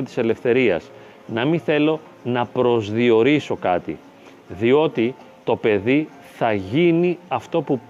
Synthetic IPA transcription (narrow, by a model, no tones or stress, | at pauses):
t̪i̥se̞le̞fθe̞ɾiɐ̰s | nɐmiθe̞lo̞ | nɐpɾo̞zðio̞ɾiso̞kɐt̪ḭ | ðio̞t̪i | t̪o̞pe̞ði | θɐʝiniɐft̪o̞pu